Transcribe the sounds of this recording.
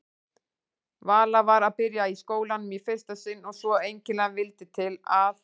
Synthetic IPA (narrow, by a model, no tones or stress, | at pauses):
vaːlavaɾaðpɪɾjaiskoːwlanːʏmifɪɾ̥st̪asɪnːɔɣsvɔejɲcɪnlanvɪlt̪ɪt̪ʰɪlaθ